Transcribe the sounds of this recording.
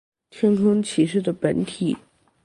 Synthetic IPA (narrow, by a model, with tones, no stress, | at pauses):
t̪ʰjɛ˥nkʰɤ˥ŋt͡ɕʰi˨˧˩ʂɻ̩˥˩d̪ə˩pə˧˥nt̪ʰi˨˩˦